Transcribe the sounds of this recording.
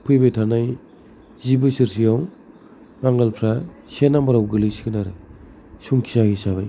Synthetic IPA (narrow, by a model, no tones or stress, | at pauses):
pʰɯjbejtʰanaj | zibɯsiɾsijaw | b̥aŋɡalpʰɾasenamaɾawɡɯlɯsi̥kʰɯnaɾɯ | suŋkʰi̥saɡisaβaj